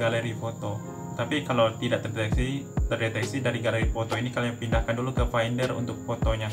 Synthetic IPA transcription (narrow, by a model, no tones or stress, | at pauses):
ɡaleɾifot̪o | t̪apikalawt̪idaʔt̪ərdet̪ɛksit̪ərdet̪ɛksidaɾiɡaleɾifot̪oinikalajapindahkandulukəfajndərṵnt̪ʊk̚fot̪oɲa